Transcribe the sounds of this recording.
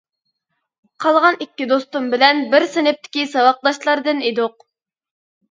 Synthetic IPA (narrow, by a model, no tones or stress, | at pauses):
qʰɑlˠʁɑnikʲːid̪ost̪umbɪlɛnbɪɾsenɪp̚t̪ʰɪ̥kʲisɑwɑq̚d̪ɑʃlˠɑɾd̪ɨnid̪ʊq̚